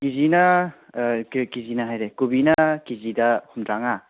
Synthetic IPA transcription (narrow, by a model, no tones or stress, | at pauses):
kizinɐ | kizinɐɦajɾekubinɐkizidɐhumdɾaŋa